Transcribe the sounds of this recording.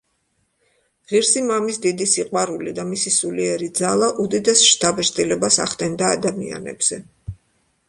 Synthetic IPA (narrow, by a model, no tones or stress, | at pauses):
ʁiɾsimamisd̪id̪isiqʼwaɾulid̪amisisuliɛɾid̪zalˠaʔud̪id̪ɛsʃt̪ʰʼabɛʃt̪ʼilɛbasa̰χt̪ʼɛnd̪aːd̪amia̰nɛ̰bz̥ɛ